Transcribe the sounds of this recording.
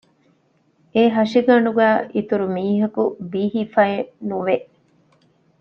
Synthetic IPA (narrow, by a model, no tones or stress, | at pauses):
eːɦɐʂiɡɐɳɖuɡæːʔit̪uɾumiːɦɐkubiːɦifɐenuʋeʔ